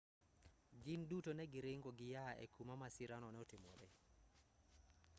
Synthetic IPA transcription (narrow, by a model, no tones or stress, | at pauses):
ɡɪndutonɛɡɪɾɪŋɡoɡɪjaɛ̰kʰumamasiɾanɔnɛɔtɪmo̰ɾe